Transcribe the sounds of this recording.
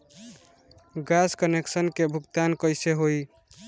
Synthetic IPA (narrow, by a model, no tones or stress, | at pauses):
ɡaskəneksənkebʱukt̪ankəjseɦoj